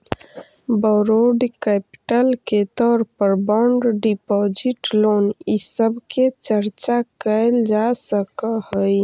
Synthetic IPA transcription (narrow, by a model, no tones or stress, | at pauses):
bəɾoɖkɛpi̥ʈəlket̪ɔːɾpəɾbɔɳɖɖipɔd͡ʒiʈlonisəbket͡ʃəɾt͡ʃakəld͡ʒasəkəhəj